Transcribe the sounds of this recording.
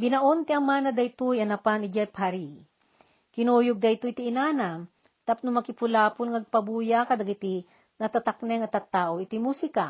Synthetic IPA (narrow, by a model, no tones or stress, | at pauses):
bɪnɐʔont̪ɪɐmaːnɐd̪ɐjt̪ujɐnɐpanɪd͡ʒapaɾi | kɪnujʊɡ̚d̪ɐjt̪ujt̪iɪnaːna | t̪ap̚nʊmɐkɪpʊlaːpʊlŋɐɡ̚pɐbuːjakɐd̪ɐɡit̪i | nɐt̪at̪aknɛŋɐt̪ɐt̪ːaːʔoɪt̪imusɪka